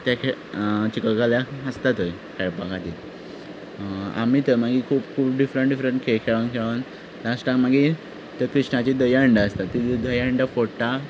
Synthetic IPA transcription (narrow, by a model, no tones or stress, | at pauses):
t̪jakʰet͡ɕikəkaljaəst̪at̪oj | kʰajpaɡat̪iːl | a̰mit̪əmaɡikʰuːpkʰuːpɖifɾəɳʈɖifɾəɳʈkʰekʰeɭankʰeɭan | laʂʈãŋkmaɡi | t̪əkɾiʂɳat͡ɕid̪əjəɳɖəəst̪at̪ːid̪əjəɳɖəfoɽʈa